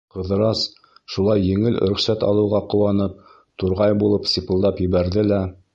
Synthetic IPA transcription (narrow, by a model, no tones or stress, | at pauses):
qɤ̆ðɤ̆ɾɑs | ʃulˠɑjːɘ̆ŋɘl̰̆ɾɵ̆χsæt̪ɑ̰lˠɤ̆wʁɑqɤ̆wɑnɤp̚ | t̪uɾʁɑjbulˠɤpsʲipɤ̆lˠd̪ɑpjɘ̆βæɾðɘlæ